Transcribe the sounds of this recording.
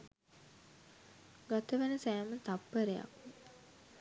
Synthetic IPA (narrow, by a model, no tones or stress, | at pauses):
ɡat̪əʋænəsæːmət̪apːəɾeja̰k